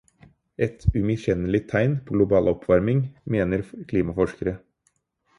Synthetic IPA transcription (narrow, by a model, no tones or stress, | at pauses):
ʔɛt̪ʰʉmɪɕɛnəlɪt̪ʰːæɪnpʰoːɡlʊbɑːlɔpʰʋɑɾmɪŋmeːnəɾkʰliːmɑfɔʂkəɾə